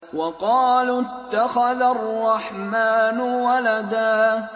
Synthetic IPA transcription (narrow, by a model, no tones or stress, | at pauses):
wɑqɑːlt̪ːaxaðarˤːɑħmaːnʊwalad̪aː